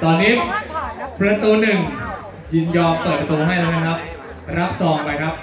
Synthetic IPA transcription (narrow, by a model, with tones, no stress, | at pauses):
t̪ɔː˧nːiː˦˥ | pʰɾa˧t̪u˧nɯ˨˩ŋ | jiː˨˧˩njɔː˧mt̪ɔ˨˩ja˧t̪uː˧ɦa˥˩jla˦˥na˦˥kʰɾa˦˥p̚ | ɾa˦˥p̚sɔː˩˦ŋpa˧jkʰɾa˦˥p̚